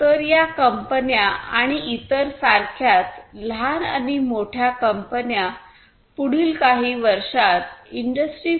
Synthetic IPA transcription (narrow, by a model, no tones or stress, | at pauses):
t̪əɾjakəmpənjaʔaɽ̃iʔit̪əɾsaɾkʰjat̪l̤ana̰nimoʈʰjakəmpənja | puɽ̤iːlkaɦiːʋəɾʂat̪̚iɳɖəsʈɾi